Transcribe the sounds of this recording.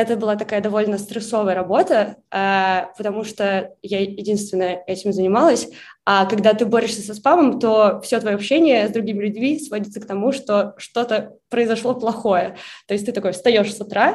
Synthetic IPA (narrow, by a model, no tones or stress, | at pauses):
ɛt̪əbɨlˠat̪ɐkajəd̪ɐvo̞lʲnəst̪ɾɨso̞vəjəɾɐbo̞t̪əapət̪ɐmuʂt̪ojajɪdʲinst̪vʲɪnːəjəɛtʲɪmzənʲɪmalˠəsʲakɐɡd̪at̪ɨbo̞ɾʲɪʂsʲəsɐspaməmt̪o̞fsʲot̪vɐjoɐpɕːenʲɪjəzd̪ɾʊɡʲimʲɪlʲʊdʲmʲisvodʲɪt̪sək̚t̪ɐmuʂt̪o̞ʂt̪o̞t̪ə | pɾəɪzɐʂlˠo̞plˠɐxo̞jət̪oɪsʲt̪ɨt̪ɐko̞jəfst̪ɐjo̞ʂsʊt̪ɾa